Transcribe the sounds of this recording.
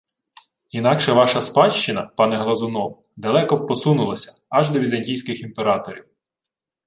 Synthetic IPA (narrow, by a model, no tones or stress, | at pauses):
inɑkʃɛʋɑʃɐspɑʃt͡ʃɪnɐpɑnɛɦlˠɐzʊnɔw | d̪ɐlˠɛkɔpɔsunʊlˠɐsʲɐ̥ | ɐʒd̪ɔʋʲizɐnʲtʲijsʲkɪximpeɾɑt̪ɔɾʲiw